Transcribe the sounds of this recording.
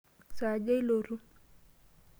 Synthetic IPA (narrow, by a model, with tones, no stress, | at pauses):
sa˨d͡ʒa˦jlo˨ɾu˦